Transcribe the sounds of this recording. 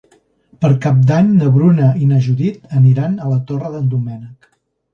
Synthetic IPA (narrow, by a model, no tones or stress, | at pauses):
pəɾkap̚d̪aɲnəβɾunəinəʒuðit̪əniɾanələt̪orəðənd̪umɛnək